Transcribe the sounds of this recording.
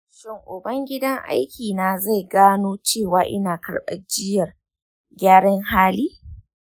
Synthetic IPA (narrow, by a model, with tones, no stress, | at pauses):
ʃɪ˦˨ŋʔʊ˨bɐ˦ŋɡʲɪ˦dɐ˦ŋʔa̰˦jkʲʰiː˨naː˨za˦˨jɡaː˦noː˦t͡ʃeː˦˨waː˨ʔɪ˦naː˨kɐ̰˨ɽɓɐ̰˨d͡ʒɪ˦jɐ˨r | ɡʲaː˦ɽɐ˦ŋhaː˦liː˦